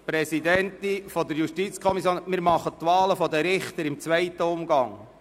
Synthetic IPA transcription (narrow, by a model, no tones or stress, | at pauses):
pɾɛsid̪ɛnt̪ɪfɔd̪əɾjuʃtit͡skʰɔmisjoːnmɪɾmɑχət̪ʋɑːləfɔd̪əɾɪχt̪əɾɪmt͡sʋɛɪt̪əʊmɡɑŋ